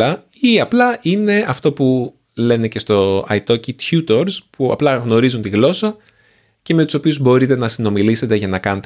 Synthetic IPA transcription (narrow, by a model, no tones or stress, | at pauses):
ɐ | iɐplɐʔine̞ɐft̪o̞pu | le̞ne̞ce̞st̪o̞ɐ̰jt̪o̞cit̪çut̪o̞ɾspuɐ̰plɐɣno̞ɾizunt̪iɣlo̞sɐ | ce̞me̞t̪u̥so̞piuzbo̞ɾit̪e̞nɐsino̞milise̞t̪e̞ʝɐnɐkɐne̞t̪